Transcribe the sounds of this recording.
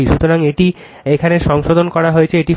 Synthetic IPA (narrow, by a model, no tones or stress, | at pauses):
iʃut̪oɾaŋeʈi | ekʰaneʃɔŋʃod̪ʱonkɔɾaɦoet͡ɕʰeeʈi